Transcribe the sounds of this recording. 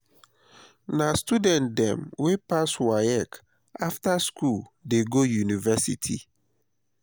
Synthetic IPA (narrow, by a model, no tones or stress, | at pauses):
nastudɛ̃ntdɛ̰̃mwepaswajɛk | aftaskuldeɡojunivɛsḭtʰḭ